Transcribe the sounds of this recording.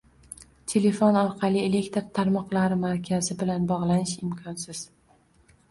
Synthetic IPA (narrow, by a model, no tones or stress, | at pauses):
t̪ʰe̞le̞fonɒɾqʰɑlˠiele̞kʲt̪ɾt̪ʰaɾmɒqlˠaɾɪmaɾkʲʰazɪbɪlanbɒʁlˠanɪʃɪmkʰɒnsɪz̥